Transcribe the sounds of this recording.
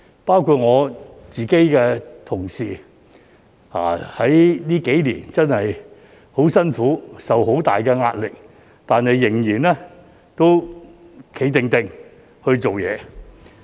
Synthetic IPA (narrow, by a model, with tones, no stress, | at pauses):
paː˥wkʰuː˧t̚ŋɔː˨˧t͡siː˨ke˨˥jkɛː˧t̪ʰʊ˨˩ŋsiː˨˩ | a̰ː˨˩hɐ˨˥jniː˥ke˨˥jliː˨˩nt͡sɐ˥nhɐ˨j | ho˨˥wsɐ˥nfuː˨˥sɐ˨who˨˥wt̪a̰ː˨jkɛː˧ŋaː˧t̚lɪ˨k̚ | t̪aː˨nɐ˨jːɪ˨˩ŋjiː˨˩nɛː˥ | t̪o˥w | kʰe˨˥jt̪ɪ˨ŋt̪ɪ˨ŋ | hɵ˧ɥt͡so˨wjɛ̰ː˨˧